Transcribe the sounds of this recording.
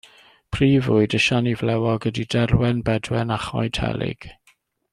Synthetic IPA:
pʰriːvʊɨdəʃanivlɛwɔɡədidɛɾwɛnbɛdwɛnaχɔ̰jdʰɛ̰lɪ̰ɡ̥

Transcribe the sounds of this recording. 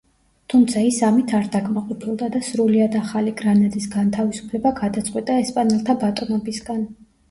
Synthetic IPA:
t̪ʰumt̪sʰaisamit̪ʰaɾd̪akʰʼmaqʼɔpʰilˠd̪ad̪asɾuliad̪aχaliɡɾanad̪ʼisɡant̪ʰavisu̥pʰlɛbaɡad̪at̪sʼqʼwit̪ʼaɛspʼanɛlˠt̪ʰabat̪ʼɔnɔbisɡan

